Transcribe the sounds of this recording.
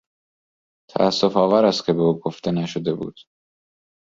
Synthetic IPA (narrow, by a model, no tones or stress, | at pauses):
t̪ʰæ̰ːsːo̞fɒːvæɾæst̪̚cʰe̞beuːɡoft̪e̞næʃod̪e̞bṵːd̪̥